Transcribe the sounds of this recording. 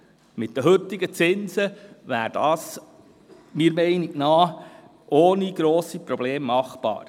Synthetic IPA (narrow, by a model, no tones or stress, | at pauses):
mɪt̚d̥̪əɦɵt̪ːɪɡət͡sɪnzəʋæ̰ːɾd̥ɑːs | mɪːɾmɛɪniknɑː | ʔoːniɡ̥ɾoːsipɾɔb̥leːmːɑχb̥ɑ̰ːɾ